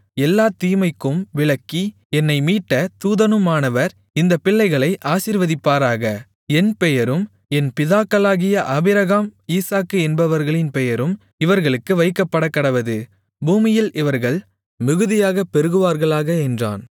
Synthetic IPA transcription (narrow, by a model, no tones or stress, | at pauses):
ɛlːaːt̪iːmɐɪkːɯmʋɪɭɐkːi | ɛnːɐɪmiːʈːɐt̪uːðɐnɯmaːnɐʋɐɾ | ɪnd̪ɐpːɪɭːɐɪɣɐɭɐɪʔaːsiːɾʋɐðɪpːaːɾaːɣɐ | ɛnpɛjɐɾɯm | ɛnpɪðaːkːɐlaːɣɪjɐʔɐːbɪɾɐɣaːmiːsaːkːɯɛnbɐʋɐɾɣɐɭɪnpɛjɐɾɯm | ɪʋɐɾɣɐɭɯkːɯʋɐɪkːɐpːɐɽɐkːɐɽɐʋɐðɯ | buːmɪjɪlʔɪʋɐɾɣɐɭ | mɪɣɯðɪjaːɣɐpɛɾɯɣɯʋaːɾɣɐɭaːɣɐɛndra̰ːn